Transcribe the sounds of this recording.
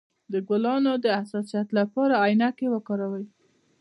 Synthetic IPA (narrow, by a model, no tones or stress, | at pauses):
d̪əɡwalɑnod̪əasɑsijat̪lapɑɾaɑjnakewəkɑɾawəj